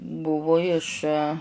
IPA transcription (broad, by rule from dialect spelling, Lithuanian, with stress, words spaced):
ˈbʊʋʊ ɪʃ